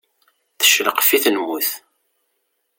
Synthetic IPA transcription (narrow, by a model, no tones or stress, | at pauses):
θə̥ʃləqfiθnmuθ